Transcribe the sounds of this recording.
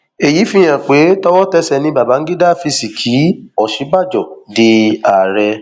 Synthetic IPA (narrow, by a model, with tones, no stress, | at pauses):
e˨ji˨˦fĩ˦j̃ã˨k͡pe˨˦tɔ˦wɔ˦tɛ˦sɛ˧˨nĩ˧˦ba˨ba˨˦ŋ̩˦ɡi˦da˦˨fi˧si˨kʰi˨˦ɔ˨ʃi˨˦ɡ͡ba˦˨d͡ʒɔ˨de˧a˨ɾɛ˧